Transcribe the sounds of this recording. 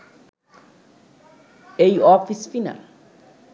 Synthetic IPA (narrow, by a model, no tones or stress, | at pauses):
ejɔːfisfina̰l